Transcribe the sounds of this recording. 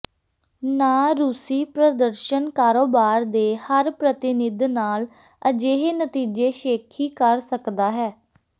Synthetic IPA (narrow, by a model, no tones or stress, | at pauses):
naːɾuːsiːpɾəd̪əɾʃənkaːɾoːbaːɾd̪eːhəɾpɾət̪ɪnɪd̪naːl | əd͡ʒeːɦeːnət̪iːd͡ʒeːʃeːkʰiːkəɾsəkd̪aːɦɛː